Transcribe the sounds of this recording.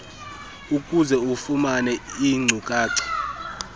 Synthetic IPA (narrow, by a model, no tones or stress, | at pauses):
ukʼuzɛufumanɛiŋ͡ǀʱukʼaːǀɛ̥